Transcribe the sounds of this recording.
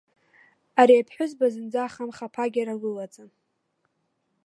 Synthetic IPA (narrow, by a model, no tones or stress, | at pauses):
aɾiapʰħʷᶣʊzbazɨnd͡zaːχamχapʰaɡʲaɾaɡɨlat͡sʼan